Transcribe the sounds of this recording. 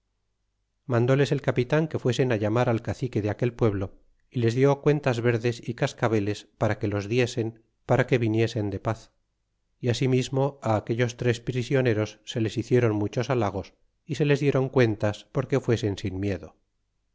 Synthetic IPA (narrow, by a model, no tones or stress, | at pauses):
mãnd̪o̞le̞se̞lkapit̪aŋke̞fwe̞se̞naʝamaɾalkaθike̞ðeake̞lpwe̞βlo̞ | ile̞zðjo̞kwe̞nt̪azβe̞ɾðe̞sikaskaβe̞le̞spaɾake̞lo̞zðje̞se̞m | paɾake̞βinje̞se̞nd̪e̞paθ | iasimizmo̞aːke̞ʎo̞st̪ɾe̞spɾisjo̞ne̞ɾo̞sːe̞le̞siθje̞ɾo̞nmut͡ʃo̞salaɣ̞o̞s | ise̞le̞zðje̞ɾo̞ŋkwe̞nt̪aspo̞ɾke̞fwe̞se̞nsinmje̞ðo̞